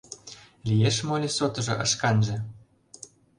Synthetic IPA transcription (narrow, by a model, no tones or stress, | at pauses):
lʲijeʃmolʲesot̪ɤ̆ʒɤ̆ʔɤ̆ʃkɑnʒɤ̆